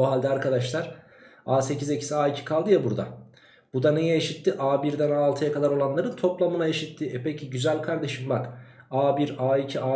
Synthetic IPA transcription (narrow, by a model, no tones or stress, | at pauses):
oɦalʲd̪ɛaɾkʰad̪aʃlˠaɾ̥ | aːse̞cize̞cʰi̥siaːicʰi̥kʰalˠd̪ɯjabuɾd̪a̰ | b̥ud̪ane̞jɛeʃit̪ʰːiʔaːbiɾd̪ænaːlˠt̪ʰɯjakʰad̪aɾo̞lˠanlˠaɾɯnt̪ʰo̞plˠamɯnaeʃit̪ʰːiɛpʰecʰiɟyzælʲkʰaɾd̪e̞ʃimbakaːbiɾaːicʰiaː